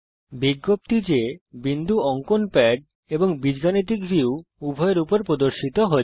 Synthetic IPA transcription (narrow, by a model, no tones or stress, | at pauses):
biɡːop̚t̪id͡ʑebind̪ʱuɔŋkonpɛɖ̚ | eboŋbid͡ʑɡanit̪̬ikbiuubʱɔeɾupoɾpɾod̪oɾʃit̪oɦo